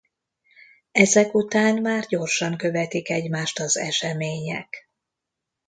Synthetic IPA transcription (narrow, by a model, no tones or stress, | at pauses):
ɛzɛkut̪aːnmaːrɟo̞rʃɒŋkø̞vɛt̪ikɛɟmaːʃt̪ɒzɛʃɛmeːɲɛ̰k